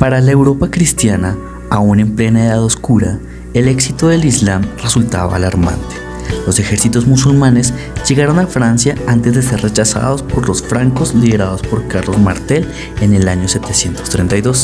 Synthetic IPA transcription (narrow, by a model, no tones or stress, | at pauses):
paɾalae̞wɾo̞pakɾist̪jana | aune̞mple̞naeðaðo̞skuɾa | ele̞ksit̪oðe̞lizlamresult̪a̰βa̰ːlaɾma̰nt̪e̥ | lo̞se̞xe̞ɾsit̪o̞zmusulmane̞zʝe̞ɣaɾo̞nafɾansjaant̪e̞zðe̞s̬e̞rre̞t͡ʃasa̰ðo̞spo̞ɾlo̞sfɾaŋkozliðe̞ɾaðo̞spo̞ɾkaɾlo̞zmaɾt̪e̞l | e̞ne̞laɲo̞se̞t̪e̞sje̞nt̪ost̪ɾent̪ajðo̞s